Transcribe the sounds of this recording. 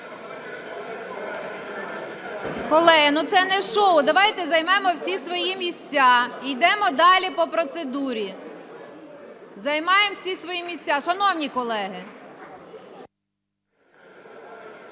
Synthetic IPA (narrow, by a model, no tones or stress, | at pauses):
kɔlˠɛɦɪnʊt̪sɛnɛʃɔwd̪ɐʋɑjt̪ɛzɐjmɛmɔwsʲisʋɔjimʲisʲt͡sʲːɑijd̪ɛmɔd̪ɑlʲipɔpɾɔt̪sed̪uɾʲi | zɐjmɑjemwsʲisʋɔjimʲisʲt͡sʲaʃɐnɔwnʲikɔlˠɛɦɪ